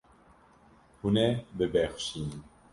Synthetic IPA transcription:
hunɛbɨbɛxʃin

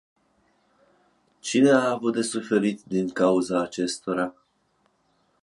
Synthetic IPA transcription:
t͡ʃine̞aːvut̪̚d̪e̞sufe̞ɾit̪d̪iŋkauzaːt͡ʃe̞st̪o̞ɾa

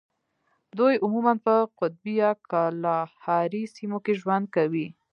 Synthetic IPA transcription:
d̪ojʊmumanpəqʊt̪̚bijakɑlɑhɑɾisimokeʒwand̪̚kawi

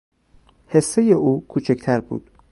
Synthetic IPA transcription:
hesːejeʔuːkʰuːt͡ʃʰecʰt̪ʰæɾbṵːd̪̥

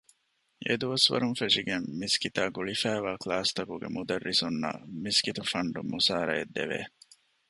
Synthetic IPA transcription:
ḛd̪uʋɐsʋɐ̰ɾunfeʂiɡemːiskit̪aːɡuɭifæːʋaːklaːst̪ɐkuɡḛmud̪ɐrːisunːɐ̰miskit̪ufɐɳɖumusaːɾɐ̰jed̪ːeʋḛː

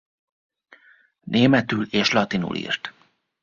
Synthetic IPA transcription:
nʔeːmɛt̪yleːʃlɒt̪inṵlʔḭrt̪

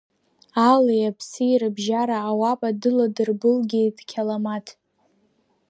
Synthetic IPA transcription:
alejapʰsɨjiɾɨbʒaɾaːwapʼadɨladɨrbɨlɡʲɪdkʲʰalamatʰ

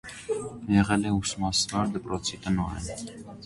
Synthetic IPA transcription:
jɛʁɛlɛusmɑsvɑɾd̪əpɾɔt͡sʰit̪ənɔɾɛ̰n

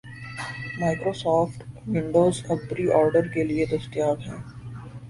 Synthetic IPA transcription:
maːɪkɾoːsɔːfʈwɪ̃ɳɖoːzɐbbɾiʔɔːɾɖəɾkelied̪ɐst̪ijaːɡɦɛ̃ː

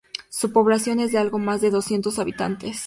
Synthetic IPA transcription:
supo̞βlasjo̞ne̞zðealɣo̞mazðe̞ðo̞sje̞nt̪o̞saβit̪a̰nt̪e̞s

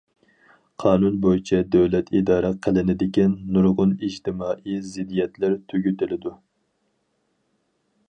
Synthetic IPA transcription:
qʰɑːnunbojit͡ʃʰɛd̪ɛwlɛt̪ʰid̪ɑːɾɛqʰəlˠɪnɪd̪ɪkʲɛnːuɾʁʊnid͡ʒt̪ʰɪmɑːʔijzɪd̪ijɛt̪lɪɾt̪ʰøɡʲyt̪ɪlɪd̪u

